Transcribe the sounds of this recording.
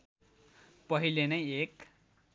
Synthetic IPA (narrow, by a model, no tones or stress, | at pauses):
pʌɦilenʌjek